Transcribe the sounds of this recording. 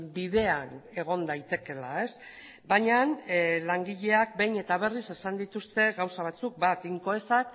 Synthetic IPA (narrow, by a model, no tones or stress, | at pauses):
biðe̞ane̞ɣ̞o̞nd̪ajt̪e̞ke̞lae̞s | baɲanlaŋɡiʎe̞ak̚be̞jɲe̞t̪aβ̞e̞rise̞sand̪it̪ust̪e̞ɣawsaβ̞at͡suk̚bat̪iŋko̞e̞sak